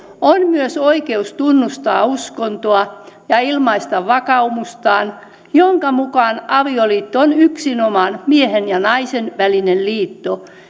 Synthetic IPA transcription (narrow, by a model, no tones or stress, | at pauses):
onmyøsoikeust̪unːust̪ɑːuskont̪oɑjɑilmɑist̪ɑʋʋɑkɑumust̪ɑːn | joŋkɑmukɑnɑʋioliːt̪ːoonyksinomɑnmiehenjɑnɑisenʋælinelliːt̪ːo